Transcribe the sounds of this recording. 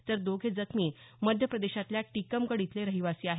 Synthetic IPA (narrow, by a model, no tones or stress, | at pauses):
t̪əɾd̪oɡʱed͡zəkmiːməd̪ʱjəpɾəd̪eɕat̪ljaʈikəmkəɽit̪leɾəɦiʋasiːaɦe